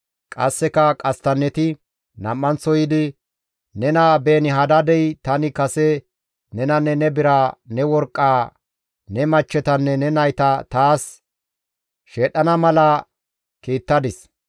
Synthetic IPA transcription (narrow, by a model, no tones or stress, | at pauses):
kʼɐ̰sːɛkɐkʼɐst̪ɐnːɛt̪ɪ | nɐmːɐnt͡sːɔjɪd̪ɪ | nɛnaːbe̞ːnɪɦɐd̪ɐd̪ɛjt̪ɐnɪkɐsɛ | nɛnɐnːɛnɛbɪɾaːnɛwɔɾkʼːaː | nɛmɐt͡ʃːɛt̪ɐnːɛnɛnɐjt̪ɐt̪aːs | ʃeːɗɐnɐmɐlɐ | kiːt̪ːɐd̪ɪs